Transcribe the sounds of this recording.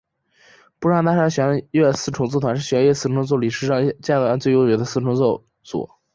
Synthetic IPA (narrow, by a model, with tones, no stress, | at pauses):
pu˥ʂɑ˥˧ŋt̪a˥˧ʂa˥˩ɕɥɛ˧˥nɥɛ˥˧sɹ̩˥˩ʈ͡ʂʰʊ˧˥ŋt͡sɹ̩˥˩t̪ʰwa˧˥nʂɻ̩˥˩ɕɥɛ˧˥nɥɛ˥˧sɹ̩˥˩ʈ͡ʂʰt͡swɔ˥˩ʊli˨˩ʂɻ̩˥ʂɑ˥˧ŋ˧t͡ɕjɛ˥˩n˨˩a˧˥t͡swe˥˩ɪjo˥ʊt͡ɕɥɛ˧˥d̪ə˧sɹ̩˥˩ʈ͡ʂʰʊ˧˥ŋt͡sɔ˥˩ʊ | t͡swɔ̰˨˩˦